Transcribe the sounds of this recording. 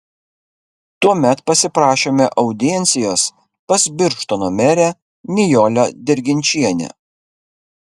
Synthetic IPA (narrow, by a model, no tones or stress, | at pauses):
t̪uɔmʲɛt̪pɐsʲɪpɾɑːʃʲeːmʲɛʔɐʊd̪ʲɪjɛnʲsʲɪjoːs | pɐsʲbʲɪɾʃt̪onoːmʲɛɾʲæ | nʲɪjoːlʲod̪ʲɪɾʲɡʲɪnʲt͡ʃʲiɛnʲɛ̰